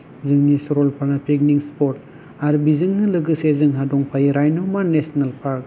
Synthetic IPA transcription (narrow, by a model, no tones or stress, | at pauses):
zɯŋnisɔɾɔlpʰanapʰik̚niŋspɔɾt̚ | aɾbizɯŋnɯlɯɡɯsezɯŋɦadɔŋpʰajiɾajnɯwmanesnalpʰaɾ̚